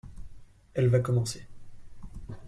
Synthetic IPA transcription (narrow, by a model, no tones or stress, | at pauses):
ɛlvakɔmɑ̃se